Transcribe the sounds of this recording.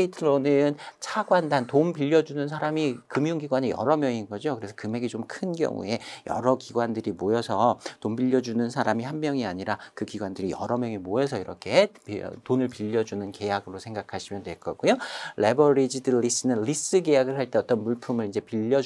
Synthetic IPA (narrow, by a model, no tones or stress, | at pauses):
itʰɯɾonɯnt͡ɕʰaɡwandantompiʎːʌd͡ʑunɯnsʰaɾamikɯmjuŋɡiɡwanejʌ̰ɾʌmjʌŋinɡʌd͡ʑokɯɾe̞sʰʌkɯme̞ɡet͡ɕomkʰɯnɡjʌ̰ŋṵe̞jʌ̰ɾʌkiɡwandɯɾimojʌsʰʌtombiʎːʌd͡ʑunɯnsʰaɾamihanmjʌŋiaɲiɾakɯkiɡwandɯɾijʌɾʌmjʌŋimoʌsʰʌiɾʌkʰe̞ptonɯɭpiʎːʌd͡ʑunɯnke̞jaɡɯɾosʰeŋɡakʰaɕʰimjʌndwe̞ɭk͈ʌɡujoɭe̞bʌɾid͡ʑidɯɭis͈ɯnɯnlis͈ɯɡe̞jaɡɯɭhaɭt͈e̞ʌt͈ʌnmuɭpʰumɯɾind͡ʑe̞piʎːʌ